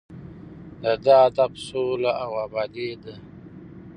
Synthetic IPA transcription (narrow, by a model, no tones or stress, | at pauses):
d̪əd̪aːd̪absolaawaːbɑːd̪ed̪a